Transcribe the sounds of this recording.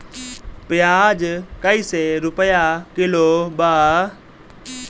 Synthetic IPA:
pɪjaːd͡ʒkəiseɾʊpəjakɪlobaː

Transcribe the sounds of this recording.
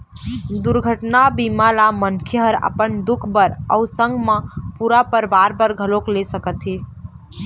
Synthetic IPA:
d̪uɾɡʱəʈnabimalamənkʰjəɦəɾə̰pənd̪ʊkʰbəɾə̰ʊsə̃ŋɡmẽpuɾapəɾbaɾbəɾɡʱəloklesəkət̪ɦi

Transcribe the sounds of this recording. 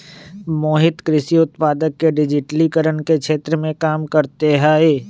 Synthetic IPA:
moːɦɪt̪kɾɪsiʊt̪paːd̪əkːeɖɪd͡ʒɪʈlikəɾənkekʰʃʰeːt̪ɾəmẽkaːmkɐɾt̪eɦaːeː

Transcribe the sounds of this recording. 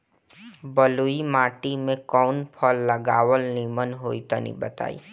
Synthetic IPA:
bəluimaːʈimẽkɔːnpʰəlːəɡaːʋəlnimənɦoːit̪ə̰nḭ̃bət̪a̰ːḭː

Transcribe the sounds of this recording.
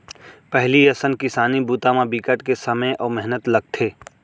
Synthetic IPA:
pɛɦliɐsənkɪsaːnibuːt̪amãbikəʈkesɐməʔɔːɾmɛɦnət̪lɐɡ̚t̪ʰeː

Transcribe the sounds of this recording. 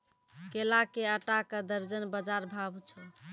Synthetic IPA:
kelakeəʈakəd̪əɾd͡ʒənbəd͡ʒaɾbʱabt͡ʃʰɛ

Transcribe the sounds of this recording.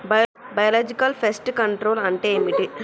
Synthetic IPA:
bbɐjɐlaːd͡ʒikɐlpʰesʈkɐɳʈɾoːlɐɳʈeːmiʈi

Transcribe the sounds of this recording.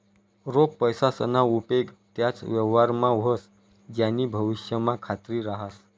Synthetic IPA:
ɾok̚pəjsasə̰naupeɡt̪jat͡sʋjəʋaɾmãʋʱəs | d͡ʑjanːiːbʱəʋiɕjəmãkʰat̪ɾiːɾaɦas

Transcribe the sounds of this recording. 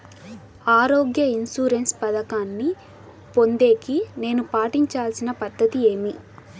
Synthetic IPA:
aːɾoːɡjɐinsuːɾe̞nspɐd̪ɐkaːnːi | po̞nd̪e̞ːkine̞ːnupaːʈiɲt͡ʃaːlsinɐpɐd̪ːɐt̪ie̞ːmi

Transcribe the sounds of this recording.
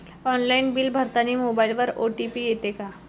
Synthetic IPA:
ɔːnlainbilbʱəɾt̪animobailʋəɾoʈipijet̪eka

